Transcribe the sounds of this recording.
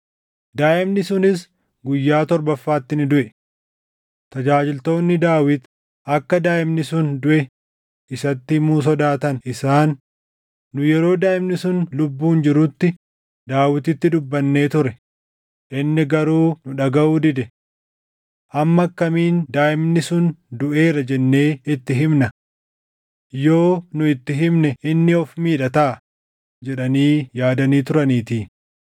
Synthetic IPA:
d̪aːʔɪmnɪsʊnɪs | ɡʊjːaːt̪ɔɾbɐfːaːt̪ːɪnɪd̪ʊʔɛ | t̪ɐd͡ʒaːd͡ʒɪlt̪o̞ːnːɪd̪aːwɪt̪ | ʔɐkːɐd̪aːʔɪmnɪsʊnd̪ʊʔɛ | ʔɪsɐt̪ːɪmuːs̬ɔd̪aːt̪ɐnɪsaːnː | ʊjɛɾo̞ːd̪aːʔɪmnɪsʊnlʊbːuːnd͡ʒɪɾʊt̪ːɪ | d̪aːwɪt̪ɪt̪ːɪd̪ʊbːɐnːe̞ːt̪ʊɾɛ | ʔɪnːɪɡɐɾuːnʊᶑɐɡɐʔuːd̪ɪd̪ɛ | ʔɐmːɐkːɐmiːnd̪aːʔɪmnɪsʊnd̪ʊʔe̞ːɾɐd͡ʒɛnːe̞ːɪt̪ːɪɦɪmnɐ | jo̞ːnʊɪt̪ːɪɦɪmnɛʔɪnːɪɔfmiːᶑɐt̪ɐʔ | d͡ʒɛᶑɐniːjaːd̪ɐniːt̪ʊɾɐniːt̪iː

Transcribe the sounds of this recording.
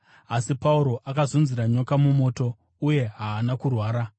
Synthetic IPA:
asipauɾo̞ʔakazonziɾaɲo̞kamumo̞ːto̞ | uje̞ɦaːnakurwaːɾa

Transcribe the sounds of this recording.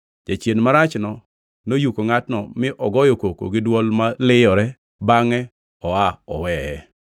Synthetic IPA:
d͡ʒat͡ʃjenmaɾat͡ʃnɔ | nojukoŋatnɔmɪʔɔɡɔjɔkoko̰ɡɪdwɔlmalɪjɔɾɛ | baŋɛ | ɔaɔ̰wɛɛ

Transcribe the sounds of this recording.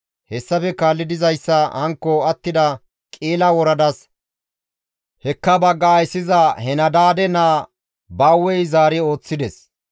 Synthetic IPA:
hɛsːɐfɛkaːlːɪd̪ɪzɐjsːɐhɐŋkːɔɐt̪ːɪd̪ɐ | kʼiːlɐwɔɾɐd̪ɐs | hɛkːɐbɐɡːɐːjsɪzɐhɛnɐd̪aːd̪ɛnaː | baːwːɛjzaːɾɪo̞ːt͡sːɪd̪ɛs

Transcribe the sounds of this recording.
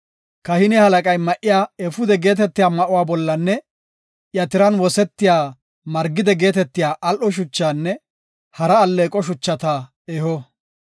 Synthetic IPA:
kɐhɪnɛhɐlɐkʼɐjmɐʔɪjaːɛfʊd̪ɛɡe̞ːt̪ɛt̪ːɪjaːmɐʔʊwaːbɔlːɐnːɛ | jɐt̪ɪɾɐnwɔsɛt̪ːɪjaː | mɐɾɡɪd̪ɛɡe̞ːt̪ɛt̪ːɪjaːʔɐlʔɔʃ̬ʊt͡ʃːaːnːɛ | hɐɾɐːlːɛkʼɔʃ̬ʊt͡ʃːɐt̪aː | ɛhɔ

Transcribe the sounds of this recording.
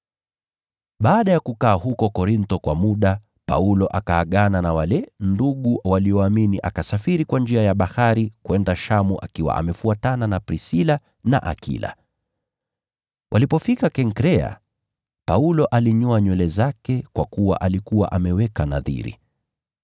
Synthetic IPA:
ɓaːɗajakukaːhukɔkɔɾintɔkwamuɗa | pa̰ulɔʔakaːɠananawalɛnduɠuwaliɔaminiʔa̰kasafiɾikwand͡ʒiajaɓahaɾikwɛndaʃamuʔa̰kiwa̰ʔa̰mɛfuatananapɾisila | na̰ʔa̰kʰḭla̰ | wʔalipɔfikakɛŋkɾɛa̰ | paulɔʔaliɲuaɲwɛlɛzakɛkwakuwa̰ʔalikuwaʔamɛwɛkana̰ðḭɾḭ

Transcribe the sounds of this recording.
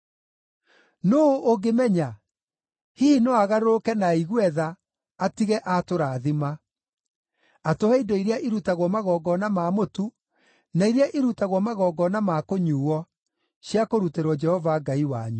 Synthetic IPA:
noːoɡemɛɲa | hiːnɔaɣaɾoɾokɛnaiɣwɛðaː | tiɣɛʔatoɾaːðima | atohɛidɔiɾeaʔiɾutaɣwɔmaɣɔɡɔnamamotu | naiɾeaʔiɾutaɣwɔmaɣɔːɡɔnamaːkoɲuːwɔ | ɕjakoɾuteɾwɔd͡ʒɛhɔvaɡaiwaɲu

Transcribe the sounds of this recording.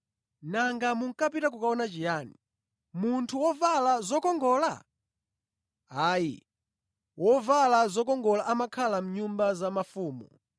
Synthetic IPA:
naŋɡamuŋ̩kap̬itak̬ukaɔnat͡ʃijani | muntʰuwɔvalazɔkɔŋɡɔːla | aːjḭ | wɔvalazɔkɔŋɡɔlaʔamakʰalam̩ɲumbazamafuːmṵ

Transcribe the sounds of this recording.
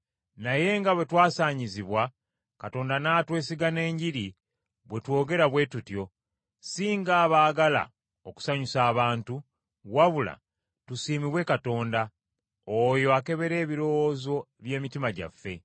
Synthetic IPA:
naje̞ŋɡaβwe̞twaːsaːɲiziβwa | kato̞ːndanatwe̞ːsiɡane̞ːɲɟiɾi | βwe̞two̞ːɡe̞ɾaβwe̞tutjo̞ | siːŋɡaːβaːɡala̰ | o̞ku̥saɲusaːβaːntu | βwaβula̰ | tusiːmiβwe̞kato̞ːnda | ojo̞ake̞βe̞ɾe̞ːβiɾo̞wozo̞βje̞ːmitimaɟa̰fːe̞

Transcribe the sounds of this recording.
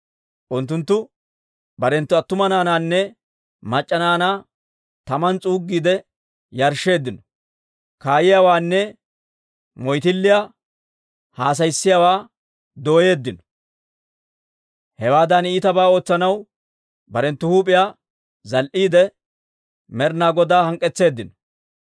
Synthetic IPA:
ʔʊnt̪ːʊnt̪ːʊ | bɐɾɛnt̪ːʊɐt̪ːʊmɐnaːnaːnːɛ | mɐt͡ʃʼːɐnaːnaː | t̪ɐmɐnt͡sʼuːɡːiːd̪ɛ | jɐɾʃːe̞ːd̪ːɪnɔ̥ | kaːjɪjaːwaːnːɛ | mɔjt̪ɪlːɪja | haːs̬ɐjsːɪjaːwaː | d̪o̞ːje̞ːd̪ːɪnɔ̥ | hɛwaːd̪ɐniːt̪ɐbaːo̞ːt͡sːɐnɐw | bɐɾɛnt̪ːʊhuːpʼɪjaː | zɐlʔiːd̪ɛ | mɛɾnaːɡɔd̪aːhɐŋkʼːɛt͡sːe̞ːd̪ːɪnɔ̥

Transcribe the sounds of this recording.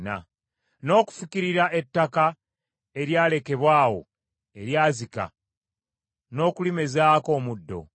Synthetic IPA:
na̰ | no̞ːku̥fikiɾiɾae̞tːaka | e̞ɾjaːle̞ke̞βwaːwo̞̰ | e̞ɾjaːzika̰ | no̞ːkulime̞zaːko̞ːmudːo̞̰

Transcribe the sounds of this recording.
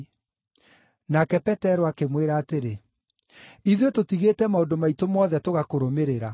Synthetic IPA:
nakɛpɛtɛɾoakemweɾaːteɾe | iðwetotiɣetɛmaondomaitomɔːðɛtoɣakoɾomeɾeɾa

